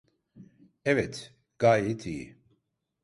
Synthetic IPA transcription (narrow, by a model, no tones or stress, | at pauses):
ɛvɛt̪ʰ | ɡ̥ajit̪ʰi